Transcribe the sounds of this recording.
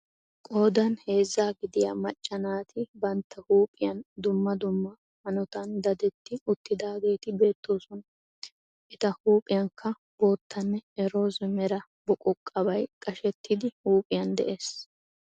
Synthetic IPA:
kʼo̞ːd̪ɐnhe̞ːzːaːɡɪd̪ɪja̰mɐt͡ʃʼːɐnaːt̪ɪbɐnt̪ːɐhuːpʼɪjɐnd̪ʊmːɐd̪ʊmːɐ | hɐnɔt̪ɐnd̪ɐd̪ɛt̪ːɪʊt̪ːɪd̪aːɡe̞ːt̪ɪbe̞ːt̪ːo̞ːsɔnɐ | ʔɛt̪ɐhuːpʼɪjɐŋkʰːɐ | bo̞ːt̪ːɐnːɛɛɾo̞ːzɛmɛɾɐ | bɔkʼɔkʼːɐbɐjkʼɐʃɛt̪ːɪd̪ɪhuːpʼɪjɐnd̪ɛ̰ʔeːs

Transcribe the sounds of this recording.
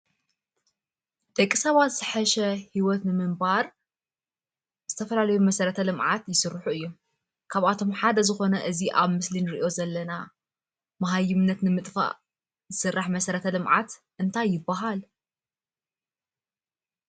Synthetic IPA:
d̪ʼɐkʼːisɐβat̪zɨħɐʃɐhiwɔt̪nɨmɨmbaɾ | z̥ɨt̪ʰɐfɐlalɐjumɐsɐɾɐt̪ʰɐlɨmʕat̪jɪsɨɾːħuɨjːom | kʰaβat̪ʰo̞mħad̪ɐzɨxo̞nɐʔɨziʔaβmɨslinɨɾʔio̞zɐlːɐna | mɐɦajɪmnːɐt̪nɨmɨt̪ʼfa̰ʔ | zɨsɨrːaħmɐsɐɾɐt̪ʰɐlɨmʕa̰t̪ | ʔɨnt̪ʰajːɪbːaɦal

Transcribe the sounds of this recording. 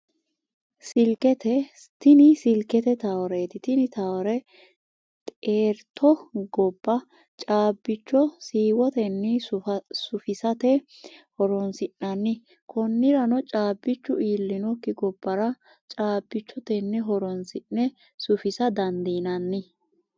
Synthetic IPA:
sɪlkɛt̪ɛ | t̪ɪnɪsɪlkɛt̪ɛt̪ɐwɔɾet̪ɪt̪ɪnɪt̪ɐwɔɾɛ | t̪ʼeːɾt̪ʰːɔɡɔbːɐ | t͡ʃʼaːbːɪt͡ʃːɔsiːwɔt̪ɛnːɪsʊfɪsɐt̪ɛ | hɔɾɔnsɪnːɐnːɪ | kʰɔnːɪɾɐnɔt͡ʃʼaːbːɪt͡ʃːʊiːlːɪnɔkːɪɡɔbːɐɾɐ | t͡ʃʼaːbːɪt͡ʃːɔt̪ɛnːɛɦɔɾɔnsɪnːɛ | sʊfɪsɐd̪ɐnd̪iːnɐnːɪ

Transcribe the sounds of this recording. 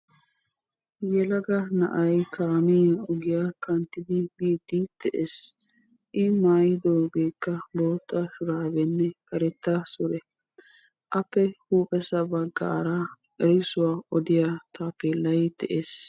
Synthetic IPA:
jɛlɐɡɐnɐ̰ʔɐjkaːmiɔɡɪjakɐnt̪ːɪd̪ɪbid̪id̪̥ɛʔeːs | ʔɪmaːjɪd̪oːɡe̞ːkːɐbo̞ːt̪ʼːasʊɾaːbɛnːɛkɐɾɛt̪ːɐsʊɾɛ | ʔɐpːɛhuːpʼɛsɐbɐɡa̰ːɾa | ʔɛɾɪsʊwaːʔɔd̪ɪjat̪aːpːelɐjd̪̥ɛʔeːs

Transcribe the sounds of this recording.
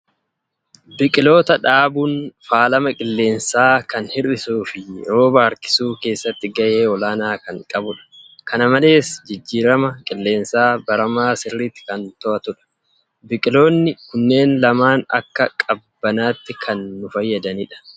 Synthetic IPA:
bɪkʼɪlo̞ːt̪ɐᶑaːbuːnfaːlɐmɐkʼɪlːe̞ːnsaːkɐnhɪɾɪsuːfɪɾoːbaːɾkɪ̥suːke̞ːsːɐt̪ːɪɡɐje̞ːɔlaːnaːkɐŋkʼɐbʊᶑɐ̥kɐnɐmɐle̞ːsd͡ʒɪd͡ʒːiːɾɐmɐkʼɪlːe̞ːnsaːbɐɾɐmaːsɪrːiːt̪ːɪ̥kɐnt̪ɔʔɐt̪ʊᶑɐ̥ | bɪkʼɪlo̞ːnːɪkʊnːe̞ːnlɐmaːnɐ̰kːɐkʼɐbbːɐnaːt̪ːɪkʰɐnːʊfɐjːɐd̪ɐniːᶑɐ̥

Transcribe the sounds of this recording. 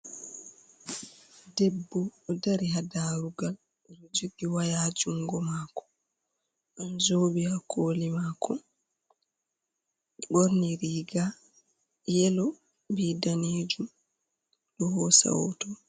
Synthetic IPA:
dɛbːɔːdaɾiɦadaɾuɡal | nud͡ʒuɗiwajaːd͡ʒuŋɡɔmakɔ̥ | ʔanzoːbihakʰoːlimaːkʰɔ | ɓoɾniɾiːɡa | jɛlɔ | bidaneːd͡ʒum | ɗɔhɔsa̰wɔ̰tɔ

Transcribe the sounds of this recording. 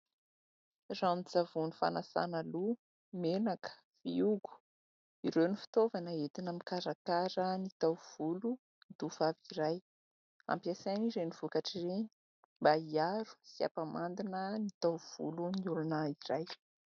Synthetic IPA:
ranid͡zavunifa̰nasa̰nəlu | menakə̥ | viuɡu̥ | iɾewnifi̥t̪ovanəet̪inəmikaɾakaɾənit̪awv̥ulu | nd̪uvaviɾaj | a̰mpiasajniɾenivukaʈ͡ʂireni̥ | mbaiaɾu̥sia̰pamand̪inənit̪awv̥ṵluniulunaiɾaj

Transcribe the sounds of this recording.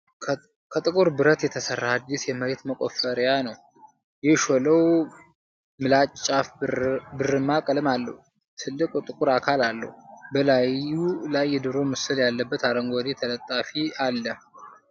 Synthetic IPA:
kʰət̪ʼɨkʼuɾbɨɾət̪jɛt̪ʰəsərːaad̪ːisjɛməɾet̪məkʼofəɾjanəw | jɛʃoləw | mɨlat͡ʃʼːafbɨrːɨmːakʼəlɨmalːə̰hu | t̪ʰɨlːɨkʼt̪ʼɨkʼuɾakʰalalːə̰hubəlajulajːɛd̪ɨɾo̞mɨsɨljalːəbːət̪aɾəŋɡod̪et̪ʰələt̪ʼːafialːəh

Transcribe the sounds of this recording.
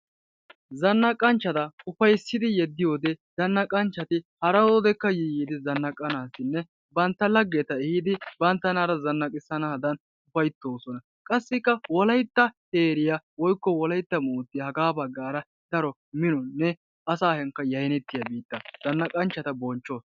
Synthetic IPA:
zɐnːɐkʼɐnt͡ʃːɐt̪ɐʊfɐjsːɪd̪ɪjɛd̪ːɪjoːd̪ɛzɐnːɐkʼɐnt͡ʃːɐt̪ɪhɐɾɐwod̪ɛkːɐjɪjid̪ɪzɐnːɐkʼːɐnaːsɪnːɛ | bɐnt̪ːɐlɐɡːeːt̪ɐɛhɪd̪ɪbɐnt̪ːɐnaːɾɐzɐnːɐkʼɪsːɐnɐhɐd̪ɐn | ʊfɐjt̪ːoːsɔnɐ | kʼɐsːɪkːɐwɔlɐjt̪ːɐheːɾɪjawɔjkːɔwɔlɐjt̪ːɐmuːt̪ːɪjɐhɐɡaːbɐɡːaːɾɐ | d̪̥ɐɾɔ | mɪnɔnːɛ | ɐsaːhɛŋkːɐjɐjnɛt̪ːɪjɐbiːt̪ːɐz̥ɐnːɐkʼɐnt͡ʃːɐt̪ɐbɔnt͡ʃːo̞ːs

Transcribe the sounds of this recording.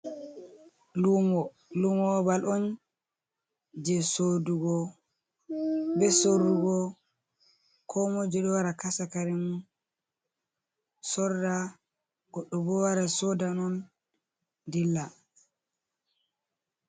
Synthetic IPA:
lumɔ | lumɔbalʔɔn | d͡ʒɛsoduɡɔ | bɛsoɾuɡɔ | kʰɔmɔd͡ʒɛɗɔwaɾakasakaɾɛmun | sɔɾda | ɡɔɗːɔbɔwaɾasɔdanɔn | dilːa

